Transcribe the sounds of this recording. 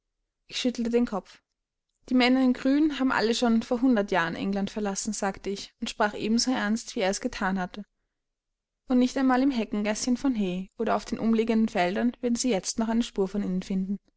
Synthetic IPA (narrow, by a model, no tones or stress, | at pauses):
ʔɪçʃʏtl̩tədeːnkʰɔp͡f | d̥iːmɛnɐɪnɡʁyːnnɦaːbm̩ʔa̰ləʃoːnfoːɐɦʊndɐtjaːʁənʔɛ̰ŋlantfɛɐlasn̩z̥aːktəɪçʊntʃpʁ̥aːχʔḛːbm̩zoːʔɛɐnstv̥iːeːɐɛsɡ̥ətʰaːnhatə | ʔʊntnɪçtaɪnmaːlɪmɦɛkŋ̩ɡɛsçənfɔnɦeːʔoːɾɐaʊfd̥eːnʔʊmliːɡəndn̩fɛldɐnv̥eːɐdn̩ziːjɛt͡stnɔχʔaɪnəʃpuːɐfɔniːnənfɪndn̩